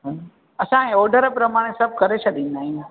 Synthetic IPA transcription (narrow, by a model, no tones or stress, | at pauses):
ɦ | ɐsãẽɔːɾɖəɾpɾɐmaːɽ̃esɐb̚ʱkɐɾet͡ʃʰad̪ĩːnd̪aːɦĩ